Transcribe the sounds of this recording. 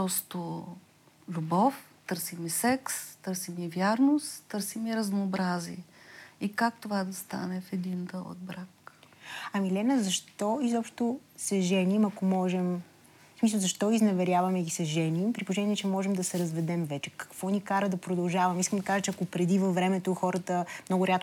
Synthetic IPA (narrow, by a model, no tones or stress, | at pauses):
pɾɔst̪o | lʲubɔf | t̪ɤɾsimisɛkst̪ɤɾsimivjaɾnost̪t̪əɾsimiɾɐznoːbɾazḭɛikak̚t̪ovad̪ɐst̪a̰nɛfɛd̪ind̪əlˠo̰d̪̚bɾak | ɐmilɛnəzɐʃt̪ɔizɔpʃt̪osɛʒɛnimɐkomɔʒɛm | smis̬əlˠzɐʃt̪ɔiznɐvɛɾʲjavɐmɛɡisɛʒɛnimpɾiploʒɛnʲiɛt͡ʃɛmɔʒɛmd̪ɐsɛɾɐzvɛd̪ɛmvɛt͡ʃɛ̥kɐ̥kvɔnikaɾəd̪ɐpɾod̪ɐlˠʒavɐmiskəmd̪ɐkaʒət͡ʃɛɐkopɾɛd̪ivɐfvːɾɛmɛt̪oxɔɾət̪əmnɔɡʊɾʲat̪